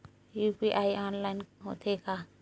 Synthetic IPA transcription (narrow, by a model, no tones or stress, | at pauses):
jupiʔaːjaːnlaɪnɦo̰t̪ʰeka